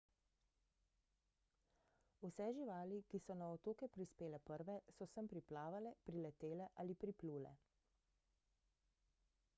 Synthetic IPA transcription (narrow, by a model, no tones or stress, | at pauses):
usɛʒiʋaːlikisɔnaɔt̪oːkɛpɾispeːlɛpəɾʋɛsɔsəmpɾiplaːʋalɛpɾilɛt̪eːlɛʔaːlipɾipluːlɛ̰